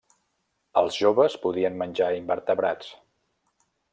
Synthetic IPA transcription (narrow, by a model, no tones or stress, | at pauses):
əlˠzʒoβəspuðiənmənʲd͡ʒaimbəɾt̪əβɾat͡s